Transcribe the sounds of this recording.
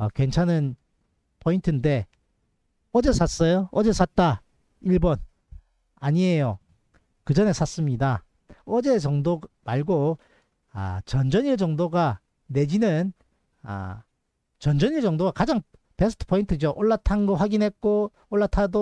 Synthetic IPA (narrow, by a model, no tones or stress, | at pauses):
ʌkwe̞nt͡ɕʰanɯn | pʰointʰɯnde̞ | ʌd͡ʑe̞sʰas͈ʌjoʌd͡ʑe̞sʰat̚t͈a | iɭbʌn | aɲiejo | kɯd͡ʑʌne̞sʰas͈ɯmɲida | ʌd͡ʑe̞t͡ɕʌŋdoɡmaɭɡo̰ | t͡ɕʌnd͡ʑʌɲiɭd͡ʑʌŋdoɡa | ne̞d͡ʑinɯn | a̰ | t͡ɕʌnd͡ʑʌɲiɭd͡ʑʌŋdoɡakad͡ʑaŋ | pe̞sʰɯ̥tʰɯ̥pʰointʰɯd͡ʑoʔoɭːatʰanɡʌɸwaɡinɦet̚k͈o | oɭːatʰado